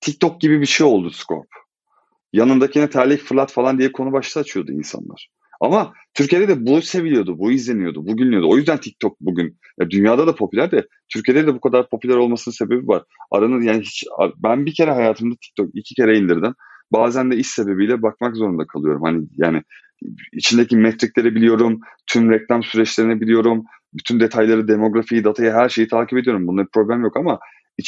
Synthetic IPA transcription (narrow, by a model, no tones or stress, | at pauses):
t̪ʰic̚t̪ʰok̚ɟibibiʃejo̞lˠd̪uskʰo̞̰ɾp̚ | janɯnd̪acʰinɛt̪ʰaɾlʲicfɯɾlˠat̪falˠand̪ijɛkʰo̞nubaʃt̪ʰaːt͡ʃʰɯjo̞d̪ṵḭnsa̰nˠa̰ɾ̥ | ama | t̪ʰyɾcʰie̞d̪ɛd̪ɛbuse̞vilʲijo̞d̪ubuizlʲe̞nijo̞d̪ubuɟylʲnijo̞d̪uo̞jyzd̪ænt̪ʰic̚t̪ʰok̚buɟyn | jad̪ynjaːd̪ad̪apʰo̞pʰylʲæɾd̪ɛ | t̪ʰyɾcʰe̞d̪ɛd̪ɛbukʰad̪aɾpʰo̞pʰylʲæɾo̞lˠmasɯnɯnse̞be̞bivaɾ̥a̰ɾanɯjaːniɦit͡ʃa̰bænbicʰe̞ɾɛɦajaːt̪ʰɯmd̪at̪ʰi̥c̚t̪ʰo̞kilʲcʰicʰe̞ɾɛind̪iɾd̪im | baːzænd̪ɛisse̞be̞bijlʲɛbak̚makzo̞ɾund̪akʰalˠɯjo̞ɾumhanɪjaːnɪ | ḭt͡ʃʰind̪ecimɛt̪ɾiclʲe̞ɾɛbilʲijo̞ɾumt̪ʰymɾɛclʲˠamsyɾɛt͡ʃlʲe̞ɾinɛbilʲijo̞ɾum | byt̪ʰynd̪e̞t̪ʰajlˠaɾɯd̪emo̞ɡɾafijid̪at̪ʰajaɦæɾʃe̞jit̪ʰaːcʰiped̪ijo̞ɾumbunˠapʰɾo̞blʲæmjo̞kama | i